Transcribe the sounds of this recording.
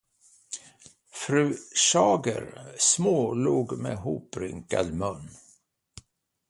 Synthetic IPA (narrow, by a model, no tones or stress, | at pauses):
fɾʉ̟ːɕɑːɡə̰ɾsmoːluːɡmḛɦuːpɾɪŋkad̪mɵnː